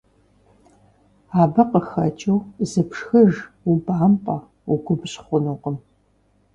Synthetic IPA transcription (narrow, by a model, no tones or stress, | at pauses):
aːbɐqəxɐt͡ʃʼɐwzɨpʂxɐʒ | ubaːmpʼɐ | uɡʷʊbɕχʷʊnuqəm